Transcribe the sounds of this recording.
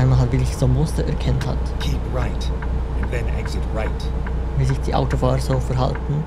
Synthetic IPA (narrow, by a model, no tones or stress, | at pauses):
aɪnmaɦatvɪlɪçsomːʊstəɛɾkʰɛntha̰tkʰipɹaɪtɨ̃nðɨ̃næ̰ɡzɪt̚ɹaɪt | viːzɪçd̥iːʔa̰ʊtofaːʁəz̥oːfɛɾɦa̰ltn̩